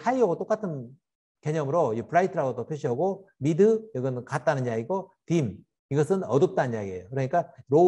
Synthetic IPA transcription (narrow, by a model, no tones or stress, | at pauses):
hʰaiʌɡot͈ok͈atʰɯn | ke̞ɲʌmɯɾoipʰɯɾaitʰɯɾaɡot͈opʰjoɕʰiʌɡo | midɯjʌɡʌnkat̚t͈anɯnjaɡiɡotim | iɡʌsʰɯnʌdɯp̚t͈anɯnɲjaɡie̞̰jokɯɾʌɲik͈aɾo